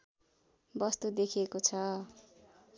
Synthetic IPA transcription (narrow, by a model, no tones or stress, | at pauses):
bʌst̪ud̪ekʰiekot͡sʰʌ